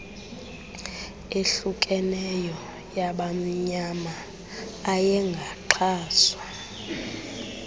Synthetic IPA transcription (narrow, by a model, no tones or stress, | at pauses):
eɬukʼɛnɛjɔ | jaɓam̩ɲamaː | jɛŋɡʱaǃʰaːswa